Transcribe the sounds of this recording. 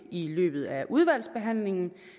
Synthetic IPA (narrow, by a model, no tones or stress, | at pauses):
ilø̰ːb̥ð̩ˠæʔuð̞ˠʋæl̰sb̥e̝ɦæn̰le̝ŋn̩